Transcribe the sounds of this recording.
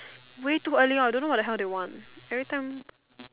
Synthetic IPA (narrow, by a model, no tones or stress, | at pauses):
wetuəliɔ̃dõnowɔtdəɦɛldewɔ̃ntɛvɹitãj̃m